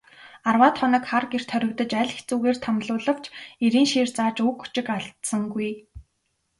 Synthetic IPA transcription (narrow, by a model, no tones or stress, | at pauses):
arwaːt̪χɔnə̆kχarɡer̥t̪ʰœɾʲɪ̆kt̪ə̆t͡ɕæɮxe̥t͡suːɣeːr̥t̪ʰamɮʊːɮə̆w̥t͡ɕʰeɾiːnʃeːrt͡saːt͡ɕukːu̥t͡ɕɪ̆kaɮt̪sə̆ŋɡuj